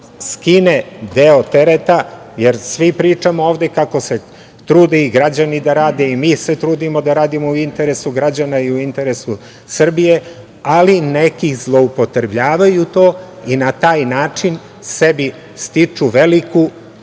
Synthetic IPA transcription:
skined̪eot̪e̞ɾet̪a | je̞ɾsʋipɾiːt͡ʂamooːʋd̪e̞kakose̞ | t̪ɾuːd̪eiɡɾad͡ʑanid̪aɾaːd̪eimiːse̞t̪ɾuːd̪imo̞d̪aɾaːd̪imouint̪e̞ɾe̞suɡɾad͡ʑanaiuint̪e̞ɾesu | sr̩bije̞ | alinekizlˠo̞upo̞t̪ɾebʎaːʋajut̪o̞ːinat̪aːjnaːt͡ʂin | se̞bi | st̪it͡ʂuʋe̞liku

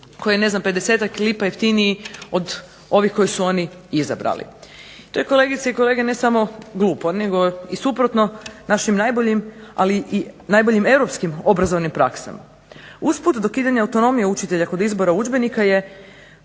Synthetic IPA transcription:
ko̞jene̞znampe̞d̪ese̞ːt̪aklipajeft̪iniio̞d̪ | o̞ʋixko̞jisuo̞ni | iza̰bɾa̰lḭ | t̪ojeko̞le̞ɡit̪seiko̞le̞ɡe̞ne̞samo̞ɡlˠuːpone̞ɡo̞isupɾo̞t̪no̞naʃimnajboʎimaliʔinajbo̞ʎime̞wɾo̞pskimo̞bɾazo̞ʋnimpɾa̰ksa̰ma | usput̪d̪o̞kiːd̪aɲaːwt̪o̞no̞mijeut͡ʃit̪e̞ʎako̞d̪izbo̞ɾaud͡ʒbe̞nikaje̞

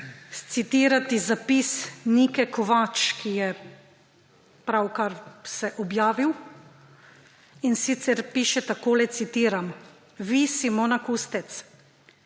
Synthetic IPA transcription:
st̪sit̪iːɾat̪izapisnikɛkɔʋat͡ʃkʰijɛ | pɾawkaɾsɛʔɔbjaːʋiw | insit̪sɛɾpiːʃɛt̪akoːlɛt̪sit̪iːɾam | ʋisimonakuːst̪ɛt̪s

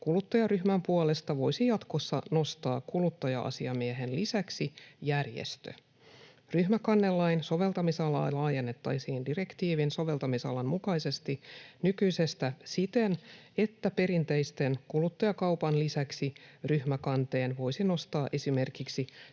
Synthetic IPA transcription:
kulut̪ːɑjɑryhmæmpuɑle̞st̪ɑʋo̞jsijɑt̪ko̞sːɑno̞st̪ɑːkulut̪ːɑjɑ̰ʔɑ̰siɑmieɦe̞nlisæksijærjḛst̪ø̰ | ryhmækɑnːelːɑjnso̞ʋe̞lt̪ɑmisɑlɑ̰jlɑːje̞nːe̞t̪ːɑjsiːndirekt̪iːʋinso̞ʋe̞lt̪ɑmisɑ̰lɑnmukɑjse̞st̪inykyjse̞st̪æsit̪e̞ne̞t̪ːæpe̞ɾint̪e̞jst̪e̞nkulut̪ːɑjɑkɑwpɑnlisæksiryhmækɑnt̪e̞ːnʋo̞jsino̞st̪ɑːʔe̞sime̞rkiksi

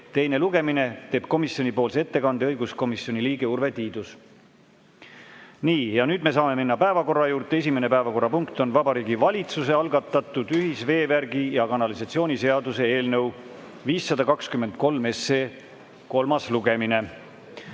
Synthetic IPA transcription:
t̪e̞jne̞luɡe̞mine̞t̪e̞ːb̥̚ko̞misjo̞nipo̞ːlse̞t̪ːe̞kɑnd̪eɤjɡusko̞misˑo̞nʲiliːɡe̞urve̞t̪iːd̪̥us | niːjɑnyːd̪me̞sɑːme̞minːɑpæe̞vɑko̞rːɑjuːɾt̪ee̞s̬ʲimene̞pæevɑko̞rːɑpuŋkt̪o̞nvɑbɑɾiːɡivɑlʲit̪suse̞ɑlɡɑt̪ːˑɑt̪ːˑud̪̥yɦisve̞ːværɡijɑkɑnɑlisɑt̪sio̞ːnʲise̞ɑd̪use̞e̞ːlnɤ̞w | viːsːɑd̪ɑkɑkskymːe̞nd̪̥̚ko̞lme̞sːeː | ko̞lmɑsluɡe̞mine̞

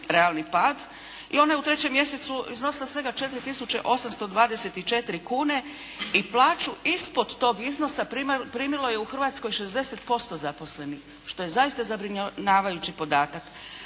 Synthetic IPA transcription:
ɾe̞alˠnipaːd̪ | ḭo̞najeut̪ɾe̞t͡ɕe̞mːje̞set̪suizno̞silˠasʋe̞ɡat͡ʃe̞t̪ɾit̪isut͡ɕe̞̰ʔo̞samst̪o̞d̪ʋaːd̪ese̞t̪it͡ʃe̞t̪iɾikuːne̞ | iplˠaːt͡ʃuispo̞d̪t̪o̞ːɡizno̞sapːpɾiːmilˠo̞je̞uxrʋaːt̪sko̞jʃe̞zd̪e̞se̞t̪po̞st̪o̞zapo̞sle̞nix | ʃt̪o̞je̞zaist̪azabɾiɲɲaːʋajut͡ɕipo̞d̪aːt̪ak

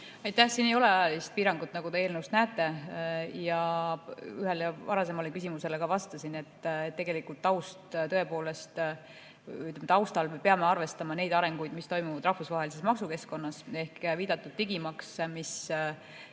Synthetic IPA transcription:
ɑjt̪æhsinːejo̞leɑjɑlist̪̚piːɾɑŋɡut̪ːˑnɑɡut̪eeːlnewst̪næːt̪ːˑe̞jɑ | yɦe̞lvɑɾɑse̞mɑlekysʲimuse̞le̞kɑvɑst̪ɑsine̞t̪ːˑet̪ːeɡe̞likult̪ːɑwst̪t̪ɤ̞e̞po̞ːle̞st̪ | yt̪lemt̪ɑwst̪ɑlmepeɑmeɑrve̞st̪ɑmɑne̞jd̪ɑɾe̞ŋɡ̥ujd̪mist̪o̞jmuvɑd̪ɾɑhfusvɑɦe̞lis̬e̞smɑksuke̞sko̞nːɑse̞hkviːd̪̥ɑt̪ːˑud̪̥̚t̪iɡimɑksmis

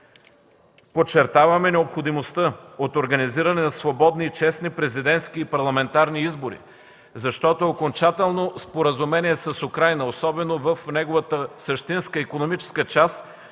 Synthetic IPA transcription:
pot͡ʃːɛɾt̪avɐmɛnɛopxod̪imost̪əot̪oɾɡɐniziɾɐnɛnɐsvobɔd̪niːt͡ʃɛsnipɾɛzid̪ɛnt̪skiːpɐɾlˠɐmɛnt̪aɾniizboɾḭ | zɐʃt̪ɔt̪ookont͡ʃat̪ɛlˠnospoɾəzumɛniɛsəsʊkɾajnəosɔbɛnovəfnɛɡovət̪əsəʃt̪inskəikonomit͡ʃɛ̥skət͡ʃas

